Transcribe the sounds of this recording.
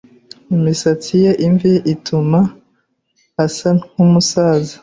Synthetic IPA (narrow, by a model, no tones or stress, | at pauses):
imisat͡sijeʔiɱviʔitʰuma | asanumusaːza